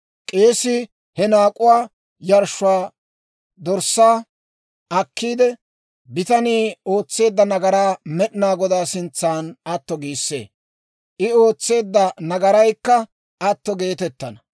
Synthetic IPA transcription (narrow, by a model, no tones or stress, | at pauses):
kʼeːsɪ | hɛnaːkʼʊwaː | jɐɾʃʊaː | d̪ɔɾsːaː | ɐkːiːd̪ɛ | bɪt̪ɐniːo̞ːt͡sːe̞ːd̪ːɐnɐɡɐɾaːmɛɗɪnaːɡɔd̪aːsɪnt͡sːaːnɐt̪ːɔɡiːsːḛː | ʔɪo̞ːt͡sːe̞ːd̪ːɐnɐɡɐɾɐjkːɐ | ɐt̪ːɔɡe̞ːt̪ɛt̪ːɐnɐ